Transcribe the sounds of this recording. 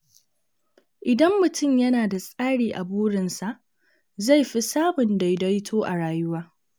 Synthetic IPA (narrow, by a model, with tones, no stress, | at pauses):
ʔɪ˨dɐ˦mːʊ˨tʰʊ˦˨mjɐ˦naː˨da˨sʼaː˦ɽiː˨ʔa˨buː˦ɾɪ˨nsa˨ʔ | za˦˨jɸi˦saː˦mʊ˨nda˨jdɐ˦jtʰoː˦ʔa̰˨ɽaː˨jʊ˦waː˦